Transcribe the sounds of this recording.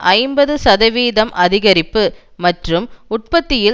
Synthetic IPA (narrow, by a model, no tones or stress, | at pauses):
ʔɐɪmbɐðɯsɐðɐʋiːðɐmʔɐðɪɣɐɾɪpːɯ | mɐʈrɯmʊʈ̚pɐt̪ːɪjɪ